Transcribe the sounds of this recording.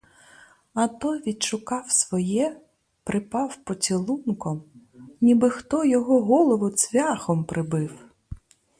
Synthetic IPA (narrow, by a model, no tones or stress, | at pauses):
ɐt̪ɔʋʲid̪ʃʊkɑwsʋɔjɛ | pɾʔɪpɑwpɔt͡sʲilˠunkɔm | nʲibɪxt̪ɔjɔɦɔɦɔlˠɔʋʊt͡s̪ʲʋʲaxɔmpɾʔɪbɪw